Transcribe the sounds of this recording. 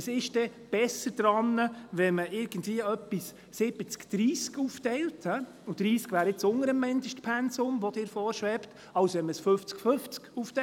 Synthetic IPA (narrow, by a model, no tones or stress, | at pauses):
əsɪʃd̥ɛb̥ɛsəɾd̪̥ɾɑnːəʋɛməʔɪɾɡ̥ənd̪viəœpːisː | ɪb̥ət͡skd̥ɾiːskuːftɛɪlthɛ | ʊd̥̪ɾiːskʋæːɾɪt͡sʊŋəɾəmːɪndəʃtpʰɛnsʊmʋɔd̥̪ɪːɾfɔːɾʃʋɛpt | ɑwsʋɛnməsfɵft͡skfɵft͡skuːftɛ